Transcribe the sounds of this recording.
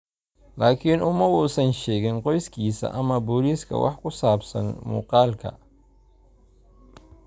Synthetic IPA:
laːkʰinʔʊmɐwuːsɐnʃɛːɣɛnqɔjskʰiːsɐ̰ʔɐmɐbɔliːskʰɐ̰wʔɑ̰ħkʰʊsaːbsɐ̰nmṵːqɑːlkʰɐ̰

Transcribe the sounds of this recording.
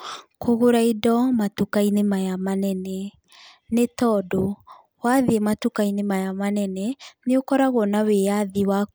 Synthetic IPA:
kʰoɣoɾaidɔmatukainemajamanɛnɛ | netɔdɔ | waðiematukainemajamanɛnɛneokɔɾaɣɔnaweaðiwa

